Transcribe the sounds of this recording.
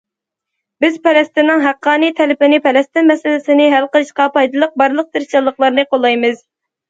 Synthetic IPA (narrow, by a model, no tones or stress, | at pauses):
bɪzpʰɛlɛst̪ɪnːɨŋɦæqːɑːnijt̪ʰɛlɪpɪnɪpʰɛlɛst̪ɪnmɛsɪlɪsɪnɪɦælqəlˠɨʃqɑpɑjd̪ɨlˠəq̚bɑɾlˠəq̚t̪ɪɾʃɑlˠːəqlˠɑɾnɨqʰolˠːɑjmɨz